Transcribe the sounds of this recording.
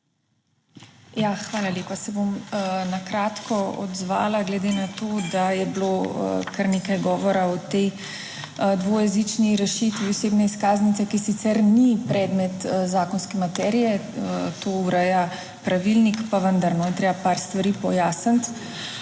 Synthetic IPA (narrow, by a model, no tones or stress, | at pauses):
jaxʋaːlaljeːpasɛbomnakɾaːt̪kʰɔɔ̰d̪zʋa̰ːlaɡlɛd̪enat̪oːd̪ajɛblo̰kʰaɾnekajɡɔːʋɔɾaɔt̪ɛj | d̪ʋojɛzit͡ʃniɾɛʃit̪ʋiɔseːbnɛiskaːznit̪sɛkisit̪sɛɾnipɾɛd̪mɛt̪zaːkɔnskɛmat̪ɛːɾijɛət̪oːuɾɛja | pɾaʋilnikpaʋənd̪aɾnɔjɛt̪ɾeːbapaɾst̪ʋaɾiːpɔjaːsənt̪